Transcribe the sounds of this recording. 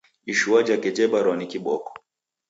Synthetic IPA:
iʃuad͡ʒakɛd͡ʒɛɓaɾɔnikiɓɔkɔ̥

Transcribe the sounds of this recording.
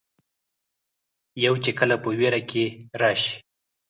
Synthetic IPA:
jawt͡ʃekəlapəweɾakʰeɾɑʃi̥

